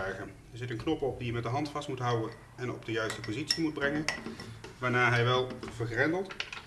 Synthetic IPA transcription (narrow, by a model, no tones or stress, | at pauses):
ɛχən | ɛɹzɪtənknɔpɔp̚dijəmɛt̚dəɦɑntfɑstmutɦʌwən | ɛnɔ̰b̚dəjœɥstəpozitsimud̚brɛŋən | ʋaːɹnaːɹɦɛjʋɛlˠvəɹχrɛndəlˠt